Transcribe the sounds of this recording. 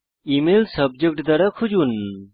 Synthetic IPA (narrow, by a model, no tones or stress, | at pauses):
imelsəb̚d͡ʒək̚ʈd̪aɾakʰud͡ʒun